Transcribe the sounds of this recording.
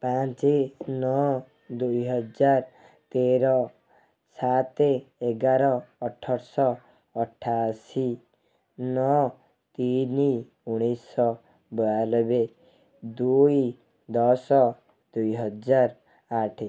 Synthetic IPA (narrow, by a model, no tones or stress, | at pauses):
pãt͡ʃenɔ | d̪ujɦɔd͡ʒaɾ | t̪eɾɔ | sat̪eeɡaɾɔːʈʰːɔɾsɔː | ʈʰːasi | nɔ | t̪ini | uɽ̃isɔ | bɔalɔbe | d̪uj | d̪ɔsɔ | d̪ujɦɔd͡ʒaɾ | aʈʰi